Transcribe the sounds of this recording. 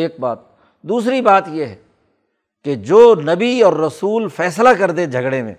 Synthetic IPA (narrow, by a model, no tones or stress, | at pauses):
eːk̚baːt̪ | d̪uːs̬ɾibaːt̪jeɦɛ | ked͡ʒoːnɐbiɔːɾːɐsuːlfɛːslakɐɾd̪ẽd͡ʒʱɐɡɽẽmḛ̃